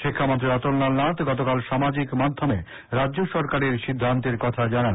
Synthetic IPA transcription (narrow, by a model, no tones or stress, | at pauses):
ʃikʰːamont̪ɾiɔt̪olnalnat̪ɡɔt̪okalʃamad͡ʑikmad̪ʱːome | ɾadːʑoʃɔɾkaɾeɾʃid̪ʱːant̪eɾkɔt̪ʰad͡ʑanan